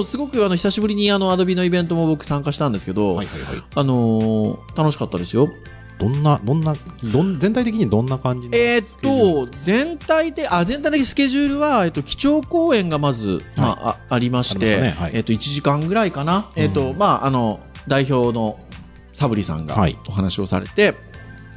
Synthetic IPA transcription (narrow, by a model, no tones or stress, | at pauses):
osɨɡo̞kɯ̟anoçi̥saɕibɯ̟ɾʲiɲ̟iano̞ad̪o̞bʲino̞ibẽ̞nt̪o̞mo̞bo̞kɯ̟̥sãŋkaɕi̥t̪ãnd̪esɨ̥ke̞d̪o̞aaa̰ano̞t̪ano̞ɕi̥kat̪ːad̪e̞sɨjo̞ | d̪̥õnːad̪õnːad̪ozẽ̞nt̪ait̪ekiɲ̟d̪õ̞nːakãɲd͡ʑieːo̞zẽ̞nt̪ait̪eʔazent̪ait̪eiisɨ̥ke̞ʑɨːɾɯ̟βae̞t̪ːo̞kʲi̥t͡ɕo̞ːko̞ːẽ̞ŋɡamazɨ̰maʔːɾʲimaɕi̥mt̪e̞iːt̪ːo̞it͡ɕiʑikãŋɡɯ̟ɾaikanaeːt̪ːo̞maʔano̞d̪aiço̞ːno̞ | sabɯ̟ɾʲisã̰ŋɡa̰ioɦanaɕio̞sa̰ɾe̞̰t̪e̞